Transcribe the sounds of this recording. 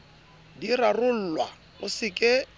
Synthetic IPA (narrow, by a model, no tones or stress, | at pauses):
dirarʊl̩lwa | ʊsɪkʼɪ